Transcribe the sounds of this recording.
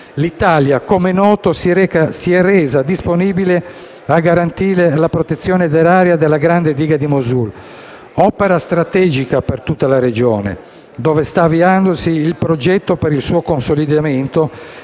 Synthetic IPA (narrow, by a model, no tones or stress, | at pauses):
lit̪aljakomenɔːt̪ossiɛrɛːzad̪isponiːbile | aɡaɾant̪iːɾelapɾot̪et̪sːjɔːned̪eɾaːɾjad̪elaɡɾand̪ed̪iːɡad̪imozul | ɔpeɾast̪ɾat̪ɛːd͡ʒikapert̪ut̪ːalared͡ʒɔːnḛ | d̪ɔːvest̪aviand̪osiːlpɾod͡ʒɛt̪ːopeɾilsuːokonsolid̪ament̪o